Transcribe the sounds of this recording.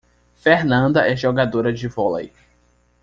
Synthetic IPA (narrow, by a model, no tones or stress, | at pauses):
feɾnɐ̃nd̪ɐʔɛʒɔɡad̪oɾɐd͡ʒɪvɔla̰j